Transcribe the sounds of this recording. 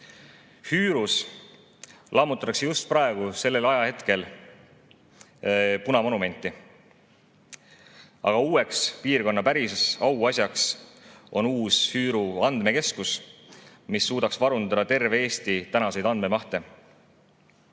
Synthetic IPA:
hyːɾus | lʔɑmut̪ːˑɑt̪ɑksejust̪̚pɾɑeɡ̥use̞lːe̞lɑjɑhe̞t̪ke̞l | punɑmo̞nume̞nʲt̪ːˑi | ɑ̰ɡ̥ɑuːe̞kspiːrko̞nːɑpæɾissɑwɑsʲjɑksʔo̞nuːshyːɾuɑnd̪̥me̞ke̞skus | misːuːd̪ɑksvɑɾund̪ɑd̪̥ɑt̪e̞rvee̞ːst̪it̪ænɑse̞jd̪ɑnd̪̚me̞mɑht̪e̞

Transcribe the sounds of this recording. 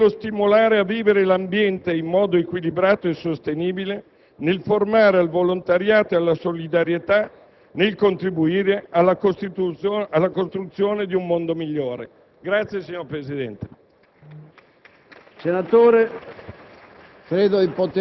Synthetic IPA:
lːost̪imolaːɾeavːiːveɾelambjɛnt̪eimːɔːd̪oekwilibɾaːt̪oesːost̪eniːbile | nelformaːɾealvolont̪aɾjaːt̪oealːasolid̪aɾjet̪a | nelkont̪ɾibuiːɾealːakost̪it̪ualːakost̪ɾut̪sːjoːned̪iumːond̪omiʎːoːɾḛ | ɡɾat̪sːjesiɲːoɾpɾesid̪ɛnt̪e̥ | senat̪oːɾe | kɾeːd̪od̪ipot̪

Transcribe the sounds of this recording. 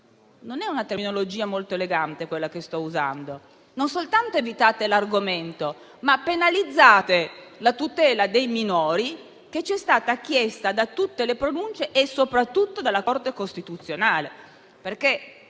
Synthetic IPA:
nonɛunat̪erminolod͡ʒiːamolt̪oeleɡant̪ekwelːakest̪ɔuza̰nd̪o | nonsolt̪ant̪oevit̪aːt̪elarɡoment̪o | mapːenalid̪zːaːt̪elat̪ut̪ɛːlad̪ejminoːɾi | k̟et͡ʃːiɛst̪aːt̪akːjest̪ad̪at̪ut̪ːelepɾonunt͡ʃeʔesopɾat̪ːut̪ːod̪alːakort̪ekost̪it̪ut̪sːjonaːle | perk̟e

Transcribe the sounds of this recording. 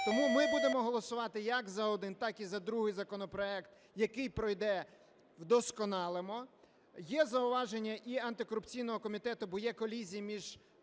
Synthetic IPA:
t̪ɔmumɪbud̪emɔɦɔlˠɔsʊʋɑt̪ɪjɐkzɐɔd̪ɪnt̪ɑkizɐd̪ɾuɦɪjzɐkɔnɔpɾɔɛkt̪ | jɐkɪjpɾɔjd̪ɛ | wd̪ɔskɔnɑlˠemɔ | jɛzɐʊʋɑʒenʲːɐʔiɐnt̪ɪkɔɾʊpt͡sʲijnɔɦɔkɔmʲit̪ɛt̪ʊbɔjɛkɔlʲizʲijimʲiʒ

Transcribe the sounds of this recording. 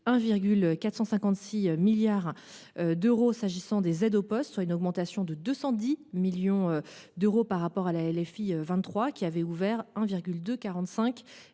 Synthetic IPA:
ɛ̃viʁɡʲylkat̪χsɑ̃sɛ̃kɑ̃t̪siømiljaʁ | ød̪øʁosaʒisɑ̃d̪ezɛd̪opɔst̪swaynɔɡmɑ̃t̪asjɔ̃d̪əd̪øsɑ̃d̪imiljɔ̃ød̪øʁopaʁːapɔʁalaɛlɛfiøvɛ̃t̪ːχwakʲiavɛuvɛʁɛ̃viʁɡʲyld̪økaʁɑ̃t̪sɛ̃kʲ

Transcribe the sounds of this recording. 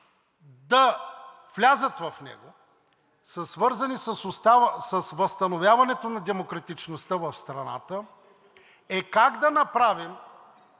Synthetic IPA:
d̪ɐ | vlʲazət̪vɐfnɛ̰ɡo | səsvɤɾzɐnisəsʊst̪asəsvɐst̪ɐnovʲjavɐnɛt̪onɐd̪ɛmokɾɐt̪it͡ʃnost̪əvɐfst̪ɾɐna̰t̪ə | ɛkaɡd̪ɐnɐpɾavim

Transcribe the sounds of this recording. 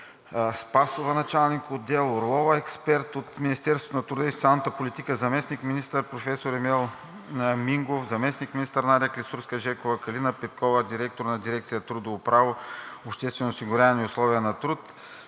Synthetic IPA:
spasovənɐt͡ʃalˠnikod̪ɛlˠoɾlˠɔvɐɛkspɛɾt̪ot̪minist̪ɛɾst̪vot̪onɐt̪ɾud̪əist̪alˠnət̪əpolit̪ikəzɐmɛsnikminist̪əɾpɾofɛsoɾɛmɛlˠ | miŋɡofzɐmɛsnikminist̪əɾnaɾiəklʲisuɾskəʒɛkovəkɐlinəpɛt̪̚kʰɔvəd̪iɾɛk̚t̪oɾnɐd̪iɾɛkt̪sijət̪ɾud̪ovopɾavoopʃt̪ɛst̪vɛnosiɡʊɾʲaniʊslˠɔviənɐt̪ɾut̪

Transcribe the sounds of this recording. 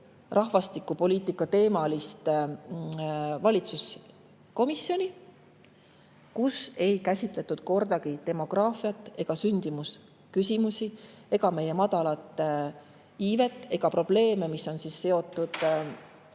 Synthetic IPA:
rʔɑɦvɑst̪ikːˑupo̞liːt̪ˑikːˑɑt̪e̞ːmɑlist̪ | vɑlʲit̪sus | ko̞misːjo̞nʲi | kuse̞jkæsʲit̪ˑle̞t̪ːud̪̥ko̞rd̪̥ɑɡ̥it̪e̞mo̞ɡ̥rɑːfiɑt̪ːˑe̞ɡ̥ɑsynʲd̪̥imus | kysʲimusʲie̞ɡ̥ɑme̞je̞mɑd̪ɑlɑt̪ːˑ | iːve̞t̪ˑːe̞ɡ̥ɑpro̞b̥le̞ːme̞misːo̞nsiːsːe̞o̞t̪ːˑud̪̥

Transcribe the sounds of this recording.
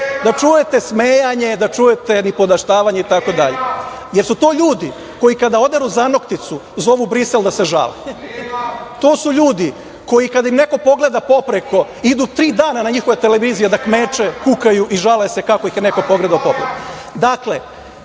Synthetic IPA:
d̪at͡ʃuje̞t̪esmeːjaɲe̞d̪at͡ʃujet̪e̞nipo̞d̪aʃt̪aːʋaɲeit̪ako̞d̪aʎe | je̞ɾsut̪o̞ːʎuːd̪i | ko̞jikad̪ao̞d̪eɾuzano̞kt̪it̪suzo̞ʋubɾise̞ld̪ase̞ʒa̰le | t̪o̞ːsuʎuːd̪i | ko̞jikad̪aimne̞ko̞po̞ɡle̞d̪apo̞pɾeko̞ | id̪ut̪ɾiːd̪aːnanaɲixo̞ʋet̪e̞leʋiːzijed̪akmeːt͡ʃekukajuʔiʒalese̞kako̞ixneko̞po̞ɡle̞d̪aopo̞pɾḛko | d̪akle

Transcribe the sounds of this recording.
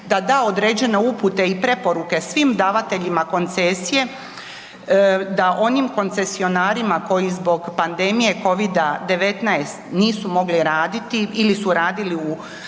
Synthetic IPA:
d̪ad̪aːo̞d̪ɾeːd͡ʑe̞ne̞uput̪e̞ipɾe̞po̞ɾuke̞sʋimd̪aːʋat̪e̞ʎimako̞nt̪sesije̞ | d̪aʔo̞nimko̞nt̪se̞sio̞naːɾimako̞jizbo̞ɡpand̪e̞mije̞ko̞ʋid̪ad̪e̞ʋe̞t̪najst̪niːsumo̞ɡliɾaːd̪it̪iilisuɾaːd̪iliu

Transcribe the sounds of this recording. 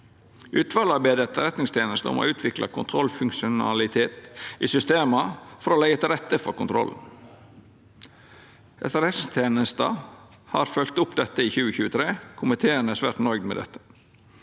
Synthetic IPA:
ʔʉːt̪ʰʋɑlɑɾbæɪd̪ət̪ɾɛt̪nɪŋst̪ʰjeːnəst̪əʊ̰mo̰ʔʉːt̪ʰʋɪklɑ̰kʰʊnt̪ʰɾɔlfʉŋʂʊnɑ̰lɪt̪ʰeːt̪iːsʏst̪eːmɑfɔɾoːlæɡət̪ɪɾɛt̪ːəfɔɾkʊnt̪ʰɾɔ̰ln̩ | ɛsɛɾɛst̪ʰeːnəst̪ə | hɑɾfœlt̪ʊpd̪ɛt̪ːəiːçʉːəçʉːət̪ʰɾeːkʰʊmət̪ʰeːənəsʋæ̰ːɾʈ̪nœʏɡd̪mɛ̰d̪ɛ̰t̪ːə̥

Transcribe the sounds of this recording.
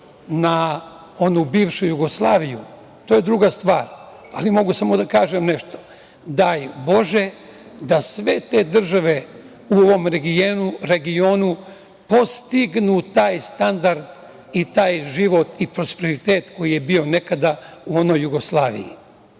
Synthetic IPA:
na | o̞nubiːʋʃujuɡo̞slˠaːʋiju | t̪oːjed̪ɾuɡast̪ʋaːɾ | alimo̞ɡusamo̞d̪akaːʒemneʃt̪o̥ | d̪aːjbo̞ʒe̞ | d̪asʋe̞t̪e̞ːd̪r̩ʒaʋe̞ | uoʋo̞mɾeɡienuɾe̞ɡioːnu | po̞st̪iɡnut̪aːjst̪and̪aɾd̪ | it̪aːjʒiʋo̞t̪ipɾo̞speɾit̪e̞ːt̪ko̞jije̞bio̞ne̞kad̪auo̞no̞jːuɡo̞slˠaːʋḭjḭ

